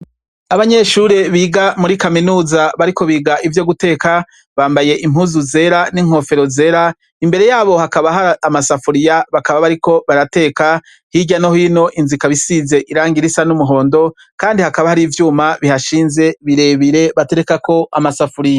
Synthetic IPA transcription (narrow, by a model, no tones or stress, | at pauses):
aβaɲe̞ʃuɾe̞βiːɡamuɾikaminuːzaβaɾiko̞βiːɡaʔivjo̞ɡute̞ːka | βaːmbaje̞ʔim̥uzuze̞ɾaniŋ̥ho̞fe̞ɾo̞ze̞ːɾa | imbe̞ɾe̞jaːβo̞hakaβaɦaːmasafuɾijaβakaβaβaɾiko̞βaɾate̞ːka | hiɟanohino̞ʔinzikaβisize̞ʔiɾaːŋɡiɾisanumuɦo̞ːndo̞ | kaːndihakaβahaɾiːvjuːmaβihaʃiːnze̞βiɾe̞βiɾe̞βate̞ɾekako̞amasafuɾija